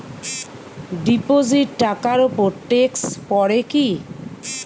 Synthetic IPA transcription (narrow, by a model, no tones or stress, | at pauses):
ɖipoziʈːakaɾupoɾʈekspɔɾeki